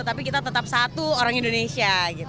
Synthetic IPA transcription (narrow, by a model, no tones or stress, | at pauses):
t̪apikit̪at̪ət̪ap̚sat̪uoɾaŋindonesiaɡit̪